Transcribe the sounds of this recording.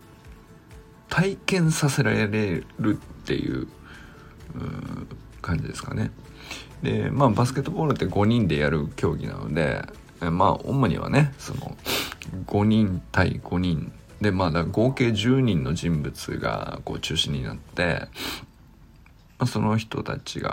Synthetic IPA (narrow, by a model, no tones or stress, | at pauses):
t̪ʰaikẽ̞ɰ̃sase̞ɾaɾeɾe̞ɾɯ̟t̪ːe̞̰jɯ̟ː | ɯ̟̰̃ːkãɲ̟d͡ʑid̪e̞sɨ̥ka̰ne̞ | d̪e̞̰maːbasɨ̥ke̞t̪ːo̞bo̞ːɾɯ̟t̪ːe̞ɡo̞ɲ̟ĩnd̪e̞jaɾɯ̟kʲo̞ːɡʲina̰no̞̰d̪e̞̰ | ma̰ːo̰mːoɲ̟ḭβa̰ne̞so̞no̞̰ | ɡ̥o̞ɲ̟ĩnt̪aiɡ̥o̞ɲ̟ĩn | d̪e̞mad̪aɡo̞ːke̞ːʑɨːɲ̟ĩnːo̞ʑĩmbɯ̟t͡sɨɡa̰ko̞̰ːt͡ɕɨːɕĩɲ̟ːinat̪ːe̞̰ | maso̞no̞çi̥t̪o̞t̪a̰t͡ɕiɡa̰